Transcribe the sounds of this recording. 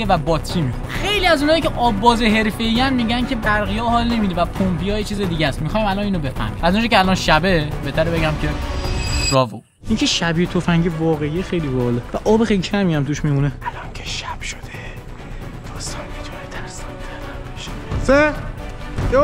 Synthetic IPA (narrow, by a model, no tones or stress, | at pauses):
evæbɒːt̪ʰiːmi | xejliːæzunhɒːjicʰeʔɒːbːɒːzeɦe̞ɾfe̞iːjænmiɟæncʰe̞bæɾɣijɒːhɒːlne̞miːd̪ivæpʰompijɒːjet͡ʃʰiːzed̪iːɟæsmixɒːjimælɒniːnobe̞fæ̰mɡiæzund͡ʒɒcʰeælɒnʃæbebet̪ʰæɾebeɟæmcʰe̞ | ɾɒːvo | iːŋcʰeʃæbit̪ʰofæŋɟevɒːɣeijexejlibɒlevæʔɒːbexejlicʰæmijæmt̪uʃmimuneælɒncʰe̥ʃæb̥ʃo̥d̪̥e | d̪̥ɒːst̪ɒncʰed͡ʒɒːɾet̪ʰænest̪ɒnbenævæniʃse